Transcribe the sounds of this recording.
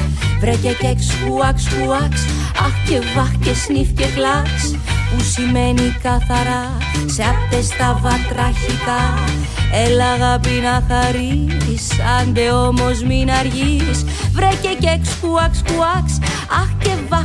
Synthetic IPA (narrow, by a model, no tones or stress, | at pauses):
vɾececekskuɐkskuɐks | ɐxce̞vɐxcesnifce̞klɐks | pusime̞nikɐθɐɾɐ | seɐft̪est̪ɐvɐt̪ɾɐçik̪ɐ | e̞lɐɣɐpinɐθɐɾit̪isɐnd̪e̞o̞mo̞zminɐɾʝiɾs | vɾe̞cecekskuɐkskuɐks | ɐxce̞vɐ